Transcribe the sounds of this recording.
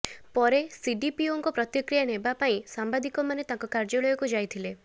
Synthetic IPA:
pɔɾesiɖipioŋkɔpɾɔt̪jikɾijanebapaĩsambad̪ikɔmanet̪ãŋkɔkaɾd͡ʒɔɭɔjɔkud͡ʒajt̪ʰile

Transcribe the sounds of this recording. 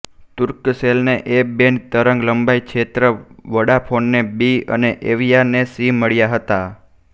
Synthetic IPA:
t̪ʊɾkselneʔebent̪əɾəŋɡləmbaikʰet̪ɾəʋəɽapʰonːebiə̰neʔeʋijanesiməɭjaɦət̪a

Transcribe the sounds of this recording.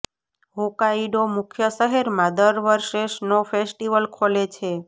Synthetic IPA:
ɦokaiɖomʊkʰjəsəɦeɾmãd̪əɾʋəɾʃeʃnofesʈiʋəlkʰolet͡ʃʰe

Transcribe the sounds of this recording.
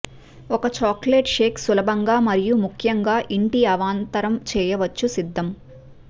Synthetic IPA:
ɔkɐt͡ʃaːkleːʈʂeːksulɐbʱɐŋɡaːmɐɾijumukʰjɐŋɡaːʔiɳʈiɐʋaːnt̪ɐɾɐmt͡ʃɛːjɐʋɐt͡ʃːusid̪ʱːɐm

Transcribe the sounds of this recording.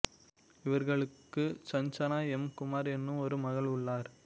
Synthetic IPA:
ɪʋɐɾɣɐɭɯkːɯsɐɲt͡ʃɐnaːɛmkʊmaːɾɛnːɯ̃mɔɾɯmɐɣɐɭʊɭːaːɾ

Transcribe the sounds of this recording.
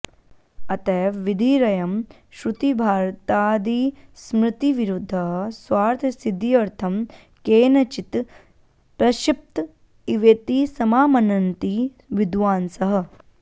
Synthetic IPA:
ɐt̪ɐːʋid̪ʱiːɾɐjɐm | ʃɾut̪ibʱaːɾt̪aːd̪iːsmɾɪt̪iʋiɾud̪ʱːɐɦswaːɾt̪ʰɐsid̪ʱiɐɾt̪ʰɐm | keːnɐt͡ʃit̪ | pɾɐʃip̚t̪ | iʋeːt̪isɐmaːmɐnɐnt̪iː | ʋid̪ʋaːnsɐɦɐ̆

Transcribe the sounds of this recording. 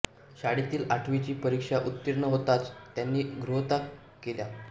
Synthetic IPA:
ɕaɽit̪iːlaʈʰʋit͡ɕiːpəɾikʂaʔut̪ːiɾɳəɦot̪at͡st̪ːjanːiːɡɾuɦt̪ak | kːelja

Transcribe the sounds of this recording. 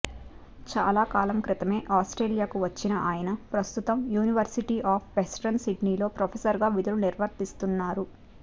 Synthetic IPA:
t͡ʃaːlaːkaːlɐmkɾit̪ɐme̞ːʔaːsʈɾe̞ːlijaːkuʋɐt͡ʃːinɐʔaːjɐnɐpɾɐst̪ut̪ɐmjuːniʋɐɾsiʈiːʔaːpʰʋesʈɐnsiɖniːlo̞ːpɾɐpʰesɐɾɡaːʋid̪ɐluniɾʋɐɾt̪ist̪unːaːɾu

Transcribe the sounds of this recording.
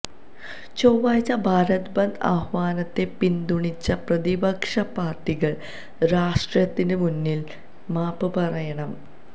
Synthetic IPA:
t͡ɕowʋaːjt͡ɕːɐbʱaːɾɐt̪bɐnd̪a̰ːhʋaːnɐt̪ːe̞pind̪uɳit͡ɕːɐprɐðibɐkʂɐpaːrʈːiɣɐɭ | ɾaːʂʈrjɐt̪ːindemunːil | maːpɨpɐrɐjɐɳɐm

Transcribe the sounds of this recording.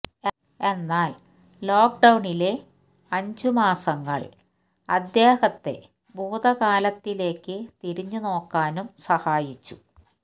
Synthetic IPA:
e̞nːaːl | lo̞ːkɖɐwɳile̞ | ɐɲd͡ʑumaːsɐŋːɐ̰ɭ | ɐd̪jeːhɐt̪ːe̞̰ | bʱuːd̪ɐkaːlɐt̪ːile̞ːkːɨt̪iɾiɲːuno̞ːkːaːnumsɐhaːjit͡ɕːu̥

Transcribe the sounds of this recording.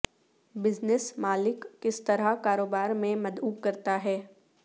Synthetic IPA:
bɪznɪsmaːlɪkːɪst̪ɐɾaɦkaːɾoːbaːɾmẽmɐd̪uːbkɐɾt̪aɦɛː

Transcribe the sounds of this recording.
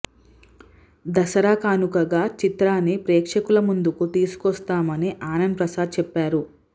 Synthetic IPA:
d̪ɐsɐɾaːkaːnukɐɡaːt͡ʃit̪ɾaːnːipɾeːkʂɐkulɐmund̪ukut̪iːsu̥kɔst̪aːmɐniʔaːnɐnpɾɐsaːd̪̚t͡ʃɛpːaːɾu

